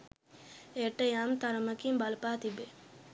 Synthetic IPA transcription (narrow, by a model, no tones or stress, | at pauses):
eʈəjamt̪aɾəməkimbalɐpaːt̪ibe